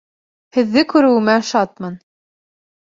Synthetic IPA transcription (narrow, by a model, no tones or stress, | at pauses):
hɘ̆ðːɘkʉɾɘ̆wmæʃɑt̪̚mɤn